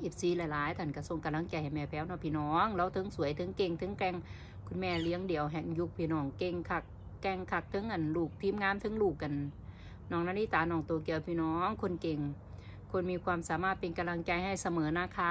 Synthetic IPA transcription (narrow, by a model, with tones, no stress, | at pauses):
ʔi˧˩p̚siː˧˩lɛ˧˨laː˨˦jt̪ʰa˧˩˨nka˧˩so˧˩˨ŋka˨˧˨mla˧˥˨ŋt͡ɕa˧˩jha˨˩jmɛː˧˩pʰɛː˧˥wnɔ˧˩pʰiː˧˨nɔː˦˥ŋlɛ˧˥˨wt̪ʰɤ˧˥˨ŋsu˨˦əjt̪ʰɤ˧˥ŋke˧˩ŋt̪ʰɤ˧˥ŋkɛː˧˨ŋ | kʰu˧˨nmɛː˧˩li˧˦əŋdi˨əwɦɛ˨˩ŋju˧k̚pʰiː˧˨nɔː˧˩ŋke˧ŋkʰa˧˩k̚ː | ɛ˧˩ŋkʰa˧˩k̚t̪ʰɤ˧˥˨ŋʔa˨˩nluː˧˩k̚t̪ʰiː˧˥˨mŋaː˧˥˨mt̪ʰɤ˧˥˨ŋluː˧˩k̚ʔa˨n | nɔː˧˩ŋnaː˧˥niː˧˥˨t̪aː˨˦nɔː˧˩ŋt̪oː˨˩ki˧˨əwpʰiː˧˨nɔː˧˦˥ŋkʰo˧˥˨nke˧˨˩ŋ | kʰo˧˥˨nmiː˧kʰwaː˧˨msaː˨˦maː˧˩t̪̚pe˨nka˧mla˧˨ŋt͡ɕa˧jha˧˩jsa˧mɤː˨˦naː˧˨kʰaː˧˥